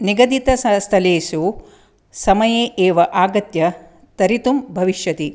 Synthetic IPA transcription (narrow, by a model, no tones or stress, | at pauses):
niɡɐd̪it̪ɐsɐst̪ʰɐleːʃu | sɐmɐjeːʔeːʋɐʔaːɡɐt̪jɐ | t̪ɐɾit̪umbʱɐʋiʃjɐt̪i